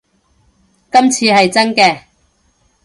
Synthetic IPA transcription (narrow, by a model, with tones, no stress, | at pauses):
kɐ˥mt͡sʰiː˧hɐ˨jt͡sɐ˥nkɛː˧